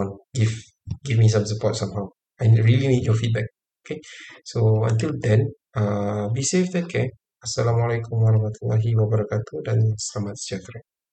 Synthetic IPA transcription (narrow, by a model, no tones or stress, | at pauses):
nɡiv | ɡivmis̬ãmsəpɔt̚sãmɦaw | ajɹilimetjɔfit̚bɛk̚ | okesoə̃nt̪̬ildɛ̃n | abiseft̪ɛke | asːalãmalakʰumwaɾahmat̪ulaɦiwabaɾakat̪udãnsalamat̪̚siat̪ɾa